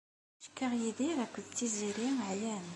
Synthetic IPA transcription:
ʃkːəʁjiðiɾækʷːəðt̪ːiziɾiʕjæn

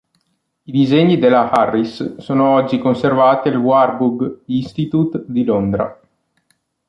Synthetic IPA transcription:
id̪izeɲːid̪elːaharːisːoːnoɔd͡ʒːikonservaːt̪ialwarbuɡist̪it̪ut̪d̪ilond̪ɾa̰

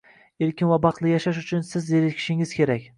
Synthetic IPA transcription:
eɾkʲɪnvabɑqlˠɪjaʃaʃʊt͡ʃʰʊnsɪzjeɾɪkʲʰɪ̥ʃɪŋɪz̥kʲe̞ɾakʲ

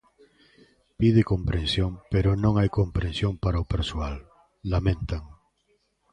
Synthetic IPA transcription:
pið̞ekõmpɾẽnsjõŋpeɾonõŋajkompɾensjõŋpaɾaopeɾsoalː | amẽnt̪aŋ

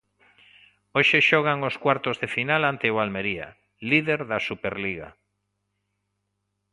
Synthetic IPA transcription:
oʃeʃɔɣ̞aŋoskwaɾt̪ozðefinalant̪ewalmeɾia̰ | liðeɾðasupeɾliɣa̰

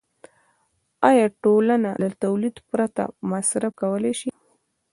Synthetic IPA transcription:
ɑjɑʈolanalat̪awlid̪pɾat̪a̰masɾafkawəleʃi

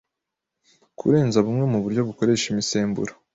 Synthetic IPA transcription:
kʰṵɾe̞ːnzaβumŋe̞muβuɾɟo̞βuko̞ɾe̞ːʃimise̞ːmbṵɾḁ

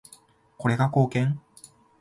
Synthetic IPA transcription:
koɾeɡakoːkeŋ

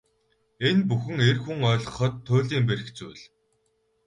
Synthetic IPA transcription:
enpuxɘ̆ŋerxuŋœːɮʁɞ̆χə̆t̪ʰːʊːɮiːmperɘ̆kt͡sujɮ

